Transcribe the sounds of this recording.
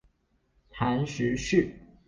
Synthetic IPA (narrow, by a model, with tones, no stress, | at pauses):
t̪ʰa˧˥nɕy˧˥ɕy˥˩